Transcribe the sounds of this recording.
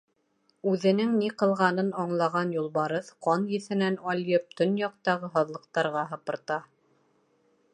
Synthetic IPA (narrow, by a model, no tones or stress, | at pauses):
ʉðɘ̆nɘŋniqɤ̆lˠʁɑnɤnɑɴlˠɑʁɑnjulˠβɑɾɤðqɑnjɘ̆θɘ̆nænɑlʲjɤp̚t̪onjɑq̚t̪ɑʁɤɦɑðlˠɤ̆q̚t̪ɑɾʁɑɦɤ̆pɤ̆ɾt̪ɑ